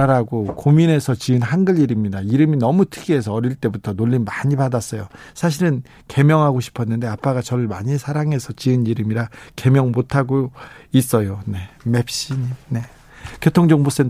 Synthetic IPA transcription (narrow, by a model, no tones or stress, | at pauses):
aɾaɡokomine̞sʰʌt͡ɕiɯnɦanɡɯʎiɾimɲidaiɾɯminʌmutʰɯɡie̞s̬ʰʌʌɾiɭt͈e̞butʰʌnoʎːinmaɲipadas͈ʌjosʰaɕ̬ʰiɾɯn | ke̞mjʌŋɦaɡoɕʰi̥pʰʌnːɯnde̞ap͈aɡat͡ɕʌɾɯɭmaɲisʰaɾaŋɦe̞sʰʌt͡ɕiɯniɾɯmiɾake̞mjʌŋmotʰaɡois͈ʌjone̞me̞pɕ͈iɲimne̞ | kʰjotʰoŋd͡ʑʌŋbos͈en